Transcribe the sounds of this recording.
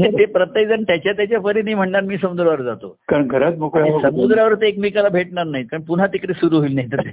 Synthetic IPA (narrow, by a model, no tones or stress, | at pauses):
nãt̪epɾət̪ːəd͡zənt̪jat͡ɕjat̪jat͡ɕjafəɾinəɦim̤əɳɳaɾmiːsəmud̪ɾaʋəɾd͡zat̪okaɾənɡʱəɾat͡smokɭasəmud̪ɾaʋəɾt̪eːkmikalabʱeʈɳaɾnaɦit̪əɳpun̤at̪ikɾiːsuɾuːɦoiːlnaɦit̪ət̪e